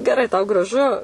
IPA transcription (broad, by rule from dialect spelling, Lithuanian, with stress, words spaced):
ɡʲɛˈrɐɪ tɐʊ ɡrɐˈʒʊ